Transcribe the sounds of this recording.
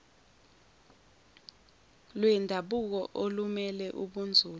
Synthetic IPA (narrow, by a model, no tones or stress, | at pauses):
lwɛndʱaɓuk̬ɔʔolumɛlɛʔuɓund͡zʱuːl